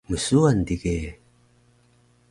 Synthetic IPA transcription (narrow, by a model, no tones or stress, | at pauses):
məsuand̪ike